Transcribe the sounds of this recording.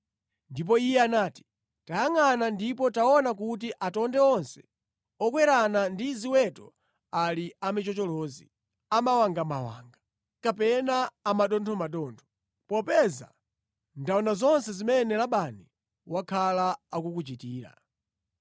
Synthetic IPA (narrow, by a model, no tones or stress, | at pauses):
ndip̬ɔijɛanaːti̥ | tajaŋanandipɔtaɔnak̬ut̬iʔatɔndɛɔnsɛ̥ | ɔkwɛɾanandiziwɛtɔ | aliamit͡ʃɔt͡ʃɔlɔːzḭ | amawaŋɡamawa̰ːŋɡa | kapɛnaːmaɗɔntʰɔmaɗɔntʰɔ̥ | pɔpɛza̰ | ndaɔnazɔnsɛzimɛnɛlaɓani | wakʰalaːkukut͡ʃitiːɾa̰